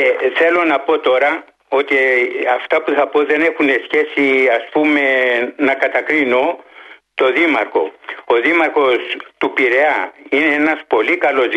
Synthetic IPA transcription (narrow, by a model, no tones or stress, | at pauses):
eθe̞lo̞nɐpo̞t̪o̞ɾɐ | o̞t̪iɐft̪ɐpuθɐpo̞ðe̞ne̞xune̞sçe̞siɐspume̞nɐkɐt̪ɐkɾino̞t̪o̞ðimɐɾko̞̰oðimɐɾko̞st̪upiɾe̞ɐine̞enɐspo̞likɐlo̞z